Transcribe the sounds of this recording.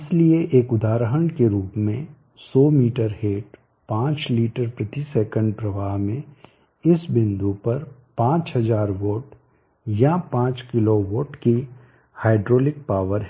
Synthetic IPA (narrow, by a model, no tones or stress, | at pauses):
ɪslieʔeːkʊd̪aːɾɦəɳkeɾuːpmẽ | sɔːmiːʈəɾɦeːʈ | pãːt͡ʃliːʈəɾpɾɐt̪isɛːkə̃ɳɖ̚pɾɐʋaːɦmẽ | ɪsbɪ̃nd̪upɐɾpãːt͡ʃɦɐzaːɾʋoːʈ | japãːt͡ʃkɪloʋoːʈki | haːɪɖɾoːlɪk̚paːʋəɾɦ